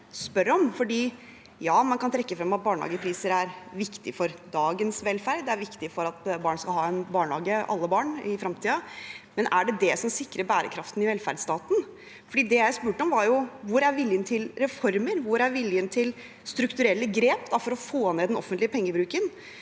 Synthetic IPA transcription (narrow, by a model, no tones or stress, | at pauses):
spœɾɔmfɔɖiː | jɑːmɑnkɑnt̪ʰɾɛkːəfɾɑmːɑt̪̚bɑːɳhɑ̰ːɡəpʰɾiːsəɾæɾʋɪkt̪ɪfɔɾd̪ɑːɡənsʋɛlfæɾɖ̪d̪ɛæɾʋɪkt̪ɪfɔɾɑt̪bɑːɳskɑlɦɑːɛnbɑːɳɑːɡəʔɑ̰lːəbɑːɳɪfɾɑmt̪ʰiːɑmɛnʔæɖɛd̪ɛsɔmsɪkːɾəbæːɾə̰kʰɾɑft̪nɪʋɛlfæ̰ɾɖst̪ɑːt̪n̩ | fɔɖiːd̪ɛjæɪspʉːʈəɔmʋɑɾjʊʋʊɾæɾʋɪljənt̪ʰɪlɾɛfɔɾməɾʋʊɾæɾʋɪljənt̪ʰɪl | st̪ɾʉkt̪ʉɾɛlːəɡɾeːpd̪ɑfɔɾɔfoːneːd̪ɛnɔ̰fːənt̪lɪəpʰɛŋːəbɾʉːkən